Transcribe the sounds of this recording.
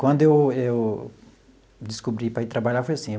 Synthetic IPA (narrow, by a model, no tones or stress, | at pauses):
kwɐ̃d̪ʊewew | d͡ʒɪskubɾipɾɐit̪ɾabaʎafojasĩ